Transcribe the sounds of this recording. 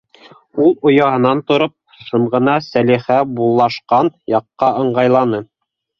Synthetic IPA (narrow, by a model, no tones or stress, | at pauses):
ulˠŏjɑhɤ̆nɑnt̪ŏɾop̚ | ʃɤ̆ɴʁɤ̆nɑsæliχæbulˠːɑʃqɑnjɑqːɑʔɤ̆ɴɢɑjlˠɑnɤ